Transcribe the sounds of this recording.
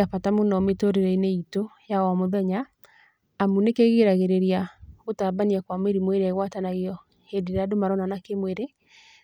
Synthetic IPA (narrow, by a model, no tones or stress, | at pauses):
apatamonɔmetoɾeɾɛineitojawamoðɛɲaː | munekeɣeɾaɣeɾeɾiaɣotaːbaniɛkwamweɾimweɾeaiɣwatanaɣiɔ | hendeɾeadomaɾɔnanakemweɾe